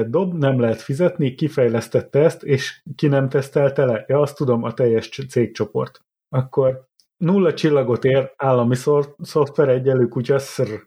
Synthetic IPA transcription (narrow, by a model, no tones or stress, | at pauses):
d̪o̞bnɛmlɛɦɛt̪fizɛt̪nikifɛjlɛst̪ɛt̪ːɛɛst̪eːʃkinɛmt̪ɛst̪ɛlt̪ɛlɛjɒɒst̪ːud̪o̞mɒt̪ɛjːɛʃt̪seːk̚t͡ʃo̞po̞̰rt̪ | ɒkːo̞r | nulːɒt͡ʃilːɒɡo̞t̪eːraːlːɒmiso̞ft̪ʋɛɾɛɟːɛlyːkucɒsr